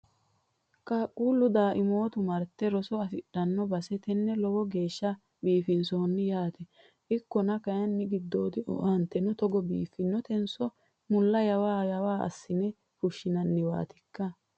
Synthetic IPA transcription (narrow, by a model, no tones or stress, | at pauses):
kʼaːkʼːuːlːʊd̪aːʔɪmo̞ːt̪ʊmɐɾt̪ːɛɾɔsɔɐfɪɗɐnːɔbɐsɛt̪ɛnːɛlɔwɔɡe̞ːʃːɐ | biːfɪnsoːnːɪjaːt̪ɛ | ʔɪkːɔnɐkɐjɐnːɪɡɪd̪ːo̞ːt̪ɪ̰ɐnt̪ːɛnɔt̪ɔɡɔbḭːfːɪnːɔt̪ɛnsɔ | mʊlːɐjɐwaːjɐwaːʔɐ̰sːɪnɛ | fʊʃːɪnɐnːɪwa̰ːt̪ɪkːɐ